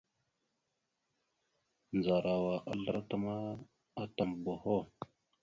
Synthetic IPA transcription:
nd͡za˨ɾa˨wa˨ʔa̰˨ɮə˦ɾa˦ta˨ma˦ | a˦ta˨mbo˨ho˦

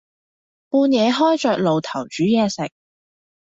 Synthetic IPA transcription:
puː˧njɛː˨˧ɦɔː˥jt͡ʃœː˨k̚lo˨wt̪ʰɐ˨˩wt͡ʃyː˨˥jɛː˨˧sɪ˨k̚

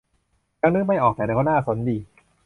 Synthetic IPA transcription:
a˧˥nɯ˦˥ma˥˩jʔɔː˨˩k̪̚ɛː˨˩na˧˩kɔ˥˩naː˥˩sʰo˨˩˦ndiː˧

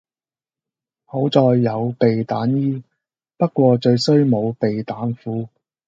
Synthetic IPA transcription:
ho˨˥wt͡sɔː˧jːɐ˨˧wpe˨jt̪aː˨˥njiː˥ | pɐ˥t̚kʷɔː˧t͡ʃɵ˧ɥsɵ˥ɥmo˨˧wpe˨jt̪aː˨˥nfuː˨˥

